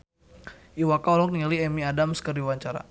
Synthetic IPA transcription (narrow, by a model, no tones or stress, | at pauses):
ʔiwakaɔlɔk̚nialiɛmiadamskərdiwaɲt͡ʃaɾa̰